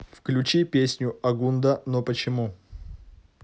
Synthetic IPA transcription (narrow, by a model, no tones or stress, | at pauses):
fklʲʉt͡ɕipʲesʲnʲʊɐɡund̪ənopət͡ɕɪmu